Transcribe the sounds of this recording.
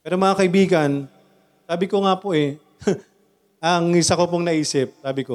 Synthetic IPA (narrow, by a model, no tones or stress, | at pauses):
pɛːɾomɐŋakɐʔɪbiːɡɐn | saːbɪko̞ŋaːpoʔɛ | ʔɐŋɪsɐkopoŋnɐʔiːsɪp̚saːbɪko